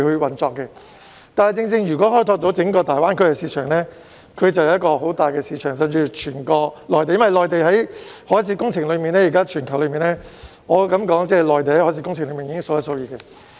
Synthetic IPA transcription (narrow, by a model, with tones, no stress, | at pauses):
hɵ˨˧wɐ˨˩nt͡sɔː˧kːɛ˧ | t̪aː˨nhɐ˨jt͡sɪ˧ŋt͡sɪ˧ŋjyː˨˩kɔː˨˥ɦɔː˥jt̪ʰɔː˧k̚t̪o˨˥wt͡sɪ˨˥ŋkɔː˧t̪aː˨˩jwaː˥nkʰɵ˥ɥkɛ˧siː˧t͡ʃʰœː˨˩ŋlɛː˥ | kʰɵ˨˧ɥt͡sɐ˨wjɐ˧˦ɐ˥kːɔː˧ho˨˥wt̪aː˨˩jkɛː˧siː˨˧t͡ʃʰœː˨˩ŋs̬ɐ˨˧mt͡syː˧t͡ʃʰyː˨˩nkɔː˧lɔː˨˩jt̪e˨jɐ˥wɐ˨jlɔː˨˩jt̪e˨jɦɐ˨˥jhɔː˨˥s̬iː˨˥kʊ˥ŋt͡sʰɪ˨˩ŋlɵ˨˧miː˨nɛː˥˩iː˨kaː˥t͡ʃʰyː˨˩nkʰɐ˨˩wlɵ˨˧ɥmiː˨nɛː˥ | ŋɔː˨˧kɐ˨˦mkɔː˨˥ŋt͡sɛː˥˩lɔː˨jt̪e˨jhɐ˨˥hɔː˨˥siː˧˥kʊ˥ŋt͡sʰɪ˨˩ŋlɵ˨˧˥miː˨njiː˧kɪ˥ŋsʊ˧wjɐ˧˩so˧˥wjiː˨˧˩kɛ˧